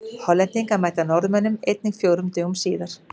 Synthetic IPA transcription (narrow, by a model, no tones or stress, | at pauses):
hɔlːɛnt̪iŋkamaːjht̪anɔwɾðʏmɛnʏmejt̪nɪŋkfjowɾʏmt̪ʏːɣʊmsiːðaɾ̥